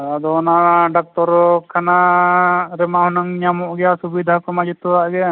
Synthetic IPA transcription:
ad̪ɔnaɖak̚t̪ɔɾkʰana | ɾɛmahɔnaŋɲamɔʔɡɛjasubid̪ʱakɔmad͡ʒit̪ɔɾaʔɡɛ

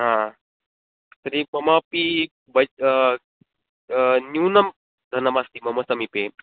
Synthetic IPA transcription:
ɦã | t̪ɐɾimɐmapi | bɐ | nunɐm | d̪ʱɐnɐmast̪imɐmɐsɐmipe

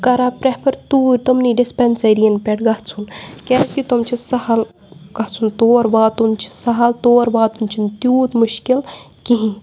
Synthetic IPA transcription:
kɐɾapɾepʰɐɾt̪uːɾʲt̪omniɖispenseɾijɐnpʲeʈɡɐht͡sʰunkɛskit̪omt͡ʃʰisɐhɐl | kɐɦt͡sʰunt̪oːɾbaːt̪unt͡ʃʰi̥sɐɦɐlt̪oːɾbaːt̪umt͡ʃʰint̪juːt̪muʃkil | kiɦĩ

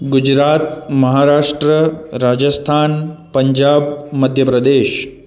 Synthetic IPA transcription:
ɡud͡ʒɾaːt̪mɐɦaːɾaːʂʈɾəɾaːd͡ʒɐst̪ʰaːnpɐɲd͡ʒaːbmɐd̪ʱjəpɾɐd̪eːʃ

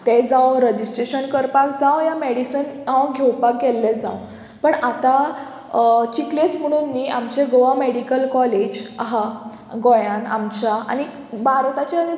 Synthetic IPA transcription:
t̪ed͡zawɾəd͡ʑisʈɾeɕənkəɾpakd͡zawjameɽisənawɡʱewpak̚ɡɛlːed͡za̰w | pəɳat̪a | t͡ɕiklet͡sm̤əɽ̃unːiʔamt͡ɕeɡoameɽikəlkɔled͡ʑaɦa | ɡojãna̰mt͡ɕaa̰ñi | baɾot̪at͡ɕeani

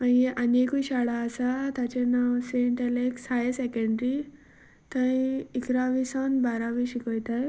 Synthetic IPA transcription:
ãjeʔɐnekuɕaɽaːsat̪at͡ɕenaʋseɳʈeleksajesekẽɳɖɾi | t̪ãĩikɾaʋisanbaɾaʋiʃikojt̪aj

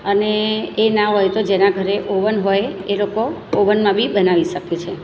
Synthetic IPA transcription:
əneːnaɦojt̪od͡ʒenaɡʱəɾeʔoʋənɦojeloko | oʋənmãbʱibənaʋiʃəket͡ʃʰe

